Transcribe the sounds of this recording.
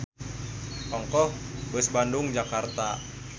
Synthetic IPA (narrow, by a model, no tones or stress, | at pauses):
ʔɔŋkɔhbəsbandʊŋd͡ʒakart̪a